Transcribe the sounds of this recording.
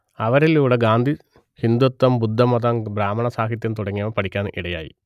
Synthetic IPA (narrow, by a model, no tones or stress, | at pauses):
ɐʋɐɾiluːɽeɡaːnd̪ʱi | hind̪ut̪ːɐmbud̪ʱːɐmɐðɐmbɾaːmɐɳɐsaːɦit̪̬jɐnt̪uɽɐŋːijɐʋɐmpɐʈʰikʲːaːnɨʔiɽɐja̰ːjḭ